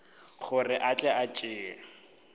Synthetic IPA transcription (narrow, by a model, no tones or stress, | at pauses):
χʊrɪʔat͡ɬʼɛʔat͡ʃʼɪːɛ̰